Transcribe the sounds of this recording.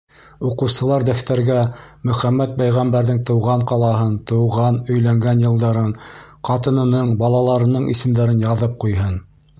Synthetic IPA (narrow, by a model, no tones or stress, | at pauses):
uqɤ̆wsɤ̆lˠɑɾd̪æft̪æɾɡæmɵ̆χæmːæt̪̚pæjʁæmbæɾðɘŋt̪ɤ̆wʁɑɴqɑlˠɑɦɤnt̪ɤ̆wʁɑnɵ̆jlæŋɡænjɤ̆lˠd̪ɑɾɤɴqɑt̪ɤ̆nɤ̆nɤɴbɑlˠɑlˠɑɾɤ̆nɤɴḭsɘ̆md̪æɾɘnjɑðɤp̚qujɦɤn